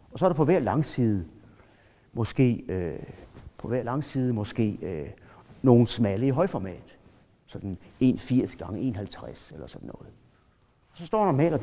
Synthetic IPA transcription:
ɒ̽sɒ̽ɐɾ̥ɑpʰɒ̽ʋæɐlɑ̈ŋsiːð̞ˠə | mɒ̽sɡ̥e̝̰ːø | pʰɒ̽ʋæɐlɑ̈ŋsiːð̞ˠəmɒ̽sɡ̥e̝̰ːø | no̝ːn̩smæləiɦɒ̽ɪfɒmɛ̰ːd̥ | sɒ̽d̥n̩e̝̰ːnfiɐ̰sɡ̥ɑ̈ŋəe̝nhælt͡sʰʁaselɐsɒ̽d̥n̩ːɔ̽ːð̩ˠ | ɒ̽sɒ̽sd̥ɒ̰ːɾ̥ɑmɛ̰ːlɒ

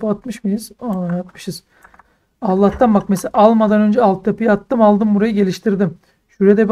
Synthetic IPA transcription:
pɯat̪mɯʃmɯjiz̥aaat̪mɯ̥ʃɯz̥ | alˠːaht̪ʰanbakmesʔalˠmad̪anø̞nd͡ʒɛalˠt̪ʰɯjapɯjaat̪ːɯmalˠd̪ɯmbuɾajɯɟe̞lʲiʃt̪ʰiɾd̪im | ʃyɾed̪ɛb

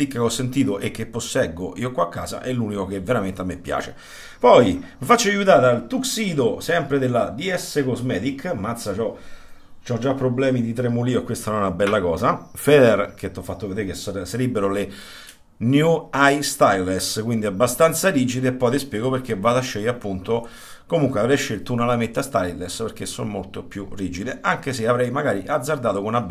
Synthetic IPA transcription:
ikːkeɔsːent̪iːt̪oʔek̟ːepːosːɛɡoʔiːokwakːa̰ːza̰ʔɛlːuːnikok̟evːeɾament̪amːepja̰ːt͡ʃḛ | pɔjmifat͡ʃːoajut̪aːɾalt̪uksiːd̪osɛmpɾed̪elːad̪iɛsːekozmɛːt̪ikʰːmat̪sat͡ʃɔ | t͡ʃɔd͡ʒːapːɾoblɛːmid̪it̪ɾemːuliːoekːwest̪anɔnabɛlːakɔːzafɛd̪ɛrk̟et̪ːɔfːat̪ːoved̪eɾkessaɾibːeɾole | njuajst̪ajleskwind̪iabːast̪ant̪saɾiːd͡ʒid̪eːpːɔjt̪espjɛːɡoperk̟evːaːd̪aʃːɛjːapːunt̪o | komuŋkweavɾɛjʃːelt̪ounalamet̪ːast̪ajlespeɾk̟esːo̰mmolt̪opjuriːd͡ʒid̪eʔaŋk̟eseavɾɛjmaɡaːɾiʔad̪zːard̪aːt̪okonab

